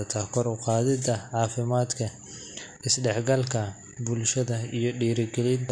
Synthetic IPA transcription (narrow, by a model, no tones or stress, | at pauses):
ɐt̪ʰɐkʰɔɾʊqɑːðɪd̪ɐʕɑːfɪmaːd̪kʰɐ | ɪsɖɛħɡɐlkʰɐ | bʊlʃɐðɐijɞɖiːɾɪɡɛlɪnt̪